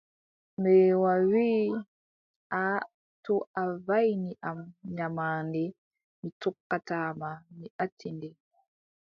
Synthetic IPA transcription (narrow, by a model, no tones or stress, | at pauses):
mɛwawiː | ʔa | tɔʔavajniʔamɲamaːndɛ | mitɔkːataːmamiʔatʰːindɛ